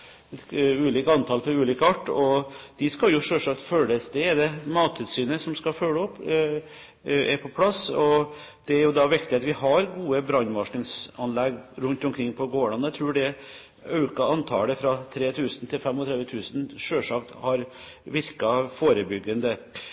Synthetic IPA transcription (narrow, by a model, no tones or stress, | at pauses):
ɛt̪ʉːliːkɑnt̪ʰɑːlfɔɾʉːliːkəɑʈːɔd̪̥ɪskɑljʊʂøːʂɑk̚t̪føːlːəsd̪ɛɛɾd̪ɛmɑːt̪ʰːɪd̪syːnəsɔmskɑfœləɔpː | æɾpʰɔpʰlɑsɔ | d̪̥ɛæɾjʊd̪ɑʋɪkt̪ɪɑt̪ʋɪhɑɾɡuːəbɾɑnːʋɑʂɳɪŋsɑnlɛɡɾʉnt̪ɔmkʰɾɪŋːpʰɔɡoːɭɑnət̪ʰɾʉːɖɛ | ɑʉkɑɑnt̪ʰɑ̰ːləfɾɑt̪ʰɾeːt̪ʰʉːsən̩t̪ʰɪlfɛmɔt̪ɾɛd̪ʋət̪ʰʉːsnʂøːʂɑkt̪hɑɾ | ʋɪɾkɑfoːɾəbʏɡːənd̪ə